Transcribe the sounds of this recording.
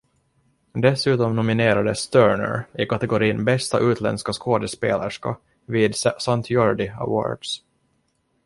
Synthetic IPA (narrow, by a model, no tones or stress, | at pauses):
d̪ɛsʉ̟ːt̪ɔmnʊmɪneːɾad̪əst̪œːɳə̰ɾɪkat̪ɛɡʊɾiːnbɛst̪aʔʉ̟ːt̪ʰlɛ̰nskaskʰoːd̪əspḛːlaʂkɑ̰p | viːd̪sant̪ʰjɔɹɖɪa̰wo̰ːɹɖ̥s